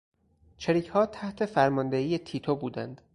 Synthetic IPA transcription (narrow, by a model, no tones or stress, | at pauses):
t͡ʃʰeɾiːcʰhɒːt̪ʰæht̪ʰe̞fæɾmɒnd̪ehiːjet̪ʰiːt̪ʰobuːd̪ænd̪̥